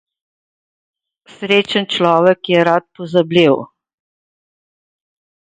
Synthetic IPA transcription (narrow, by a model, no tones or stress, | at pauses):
sɾeːt͡ʃənt͡ʃlɔːʋɛkjɛɾat̪̚pɔzabliw